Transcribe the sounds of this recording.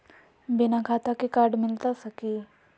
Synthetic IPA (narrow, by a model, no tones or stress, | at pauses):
bɪnakʰaːt̪akikaːɾɖmɪlt̪asɐkiː